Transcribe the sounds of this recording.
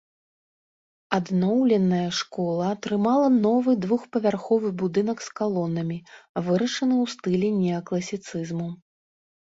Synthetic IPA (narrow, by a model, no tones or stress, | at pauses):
ad̪nɔwlʲɛnɐjɐʂkɔlˠɐːt̪ɾɨmalˠɐnɔvɨd̪vuxpɐvʲarxɔvɨbud̪ɨnɐkskalˠɔnːɐmʲivɨɾɐʂɐnɨwst̪ɨlʲɛnʲɛɐklˠɐsʲit̪sɨzmu